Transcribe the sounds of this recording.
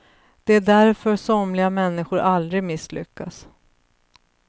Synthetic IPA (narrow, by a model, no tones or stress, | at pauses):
d̪̥ɛæɖæɾfœɾsɔmlɪɡamɛnːɪɧʊɾʔald̪ɾɪɡmɪsːlʏ̰kːas